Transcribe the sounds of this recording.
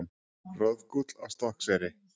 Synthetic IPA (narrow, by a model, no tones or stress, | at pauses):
n | rœðkut̪l̥a̰wst̪ɔhksvɛːɾɪ